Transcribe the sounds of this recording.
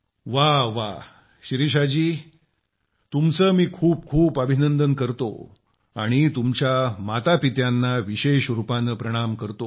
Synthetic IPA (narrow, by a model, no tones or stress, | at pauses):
ʋaʋa | ɕɾiɕ̬ad͡ʑiː | t̪umt͡səːmiːkʰuːp̚kʰuːpəbʱinənd̪ənkəɾt̪o̰ | aɽ̃it̪umt͡ɕjamat̪apit̪janːaʋiɕeɕɾupanəpɾəɽ̃amkəɾt̪o